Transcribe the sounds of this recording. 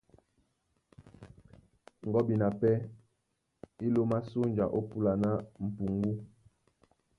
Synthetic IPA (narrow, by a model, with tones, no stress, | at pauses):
ŋ˨ɡɔ˦bi˨na˨pɛ˦ | i˦lo˦ma˦so˦nd͡ʒa˨ʔo˦pu˦la˨na˦m̩˨pu˨ŋɡu˦